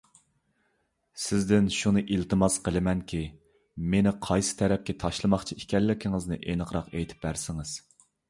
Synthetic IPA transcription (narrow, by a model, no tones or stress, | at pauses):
sɪzd̪ɪnʃunɨʔilt̪ɨmɑsqʰəlˠɨmɛnkʲʰi | menɪqʰɑjsɨ̥t̪ʰɛɾɛp̚kʲɛt̪ʰɑʃlˠɨmɑχt͡ʃʰiikʲɛlːɪkʲʰɪŋɨznɨʔenɨqʰɾɑqejt̪ʰɪ̥p̚bæɾsɪŋɪz̥